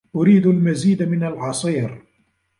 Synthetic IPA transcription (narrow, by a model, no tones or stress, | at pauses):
ʔʊɾiːd̪almaziːd̪mɪnalʕɑsˤiːɾ